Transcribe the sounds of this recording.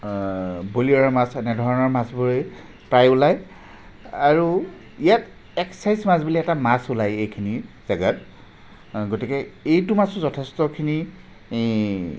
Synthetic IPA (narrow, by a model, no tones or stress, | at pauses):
boliɔɹmasɛnɛdʱɔɹɔnɔɹmasbuɹe | pɹajulaj | aɹu | ijat | ɛksajzmasbiliɛtamasʊlajejkʰinizaɡat̚ | ɡotikɛejtumasɔzɔtʰɛstɔkʰini